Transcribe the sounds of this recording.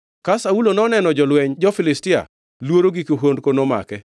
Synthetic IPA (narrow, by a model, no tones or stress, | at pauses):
kasaulonɔnɛnɔd͡ʒɔlwɛɲd͡ʒɔfɪlɪstɪa̰ | lwoɾoɡikoɦondkonoma̰kɛ